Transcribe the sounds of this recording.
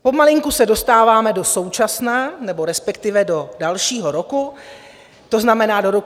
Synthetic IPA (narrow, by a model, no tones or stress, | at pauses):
po̞malɪŋkusɛdo̞st̪aːvaːmɛdo̞so̞wt͡ʃasnanɛbo̞ɾɛspɛkt̪ɪvɛdo̞dalʃiːɦo̞ɾo̞ku | t̪o̞znamɛnaːdo̞ɾo̞